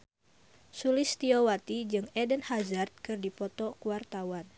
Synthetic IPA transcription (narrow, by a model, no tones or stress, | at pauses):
sulɪst̪iowat̪id͡ʒɨŋɛdənhazart̪̚kɨrdipɔt̪ɔkuwart̪awan